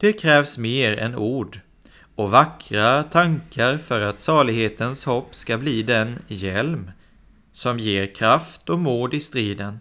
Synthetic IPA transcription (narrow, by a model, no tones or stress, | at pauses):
d̪̥ɛkʰɾɛːvsmeːɾɛ̰nuːɖ | ɔvakʰɾat̪ʰaŋkaɾfœɾat̪sɑːɭɪɡheːt̪ənshɔpːskabliːd̪ɛnjɛlm | sɔmjeːɾkʰɾaft̪ɔmuːd̪ɪst̪ɾiːd̪ən